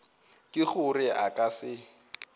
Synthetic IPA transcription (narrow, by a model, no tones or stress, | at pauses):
kʼɪχʊrɪʔakʼasɪ